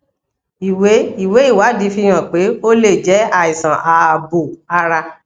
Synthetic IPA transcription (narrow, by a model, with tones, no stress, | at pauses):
i˨we˨˦i˨we˨˦i˦˨wa˨˦di˨˦fi˦˧˦j̃ã˦˨k͡pe˨˦o˦le˦˨d͡ʒɛ˨˦a˦˨i˨sã˨ʔa˨bo˨a˧ɾa˧